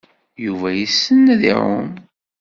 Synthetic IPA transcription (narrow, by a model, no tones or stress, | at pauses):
juvæjisːənːæðḭɾʊ̰n